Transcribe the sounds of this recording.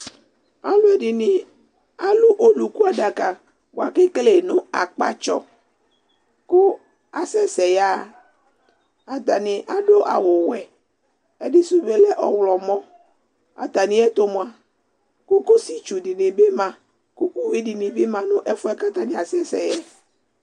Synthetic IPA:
a˦lʊ˦ɛ˨dɪ˨nɪ˨ | a˦lu˦ʔo˨lu˨ku˦a˨da˨ka˨ | bo˨a˨ke˦kle˨nʊ̃˦a˨k͡pa̰˨t͡ʃɔ̰˨ | kʊ˦ | a˨sɛ˦sɛ˨ja˦ | a˨t̪a˨nɪ̃˨ʔa˨ɖo˦ʔa̰˨wʊ˨wɛ˨ | ɛ˨dɪ˦su˨be˨lɛ˦ʔɔ˨wlɔ˨mɔ̃˦ | a̰˨t̪a˨nɪ̃˨ɛ˦t̪o˦mõ˨a˨ | kʊ˦kʊ˦si˦t͡ʃu˨dɪ˨nɪ̃˨be˦mã˨ | kʊ˦ku˦wi˦di˨nɪ̃˨bɪ˦mã˨nʊ̃˦ʔɛ˦fʊ˦ɛ˦ka˦t̪a˦nɪ̃˨a˨sɛ˦sɛ̰˨jɛ˦

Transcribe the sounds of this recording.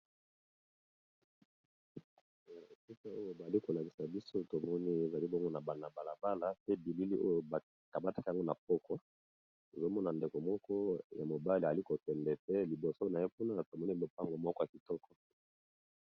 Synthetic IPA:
si˦ta˦o˦jo˨ba˨li˦ko˨la˨ki̥˨sa˨bi˦so˦to˨mɔ˦ni˦e˨za˨li˦bɔ˦ŋɡo˦na˨ba˨na˨ba˨la˨ba˦la˦pe˦bi˨li˦li˦ʔo˦jo˨ba˨ | ka˨ba˦tḁ˦ka˨ŋɡo˦na˨p̚ɔ˦kɔ˦ | to˨zo˦mɔ˦na˨nde˨ko˨mɔ˦kɔ˦ja˨mo˨ba˦li˨li˦ko˨tɛ˨mbɛ˨pe˦li˨bo˨so˦na˨je˦pu˦na˦to˨mɔ˦ni˦bo˨pa˦ŋɡo˨mɔ˦kɔ˦ja˨ki˨tɔ˦kʰɔ̥˨

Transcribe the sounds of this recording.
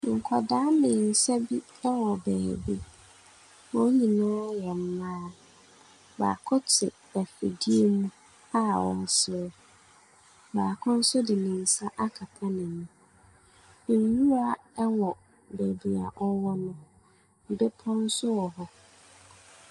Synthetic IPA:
ŋ̩˨kʰɔ˨daː˦mɪ̃˨n̩˨sɛ˦bi˦ | ɛ˦wɔ˨bɛ̰ː˨bḭ˦ | ɔ̃˦ɲĩ˨nʊ̃ː˦jɛ˨m̩˦mã˦ | ba̰ː˨kʰɔ˦tʰɪ̰˨ | æ˨fḭ˨di˦e˦mũ˦ | a˦wɔ̰̃˨n˦˨sɪ˨˦ɾɛ˦ | baː˨kʰʊ̃˦n̩˦sʊ˦dɪ˨nɪ̃˨n̩˨sa˦ʔa˦kʰa˨pʰa˦nɪ̃˨mũ˨ | n˨nũ˦ɾa˨ɛ˦wɔ˨ | bɛ˨bi˨a̰˨ʔɔ˦wɔ˦nʊ̃˨ | m̩˨bɪ˦pʰɔ̃˦n̩˦sʊ˦ɔ˨hɔ˦

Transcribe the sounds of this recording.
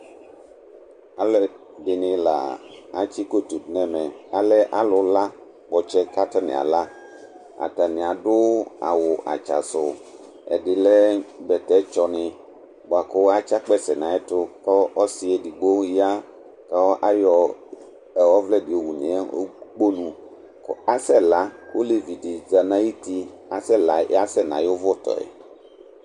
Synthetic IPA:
a˦lɛ˦ | dɪ˨nɪ̃˨la̰˨a˦t͡ʃi˦ko˦tu˨tnɛ̃˨mɛ˨a˨lɛ˦ʔa˦lʊ˨la˦ | k͡pɔ˨t͡ʃɛ˦ka˦ta˦nɪ̰̃˨a̰˨la˦ | a̰˨ta˨nɪ̃˨a˨dʊ˦a̰˨wʊ˨ʔa̰˨t͡ʃa̰˨sʊ˨ | ɛ̰˨dɪ˨lɛ˦bɛ˨tɛ˨˦t͡ʃɔ˨nɪ̃˨ | bo˨a˨kʊ˦wa˦t͡ʃa˦k͡pɛ˦sɛ˨nã˨ɛ˦tʊ˦kɔ˦ʔɔ˦sɪ˨ɛ˨di˨ɡ͡bo˦ji˦a˦ | ka˦wɔ˦ʔa˦jɔ˨ | ɛ˨wɔ˦vlɛ˦dɪ˨o˨wu˨nɪ̰̃˨ɛ˦o̰˦k͡po˦nũ˨ | ka˦sɛ˦la˦ko˦le˨vi˨dɪ˨za˨nã˦i˦ti˦ | a˨sɛ˦la˨˦a˦sɛ˦nã̰˨jʊ˦vʊ˦t̪ɔ̰˨ɛ̰˨

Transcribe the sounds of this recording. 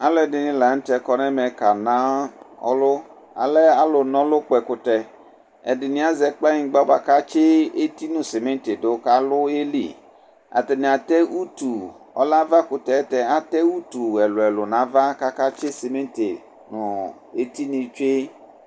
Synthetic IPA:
a˨lɛ˨dɪ˨nɪ̃˦la˨n̩˦tɛ˨kɔ˨nɛ˦mɛ˨ka˨nã˦ɔ̰˦lʊ˦ | a̰˨lɛ˦a˦lʊ˨nɔ̃˦lʊ˦k͡pɛ˨kʊ˨tɛ˨ | ɛ̰˨dɪ˨nɪ̃˨˦a˦zɛ˨k͡pa˦ɲɪ̃˨˦ɡ͡ba˦ba˨ka˦t͡ʃe˦e˦ti˦nʊ̃˨se˨mɛ˦nte˨dʊ˦ka˨lʊ˦e˦lḭ˨ | a̰˨tɛ˨nɪ̃˨a˨tɛ˦u˦tu˨ | ɔ̰˦la˦va˦kʊ˨tɛ˨˦tɛ˨a˨tɛ˦u˦tu˨ɛ˨lʊ˨ɛ˨lʊ˨nã˨va˦ka˦ka˦t͡ʃe˦se˨me˦nte˨ | nʊ˨ | e˦ti˦nĩ˨t͡ʃe˦

